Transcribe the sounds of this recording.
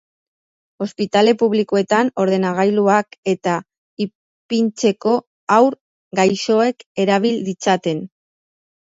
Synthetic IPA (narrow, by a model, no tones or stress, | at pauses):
o̞spit̪ale̞puβliko̞e̞t̪ano̞ɾðe̞naɣ̞ajluake̞t̪a | i | pint͡se̞ko̞ | awɾ | ɡajʃo̞e̞ke̞ɾaβ̞ild̪it͡sat̪e̞n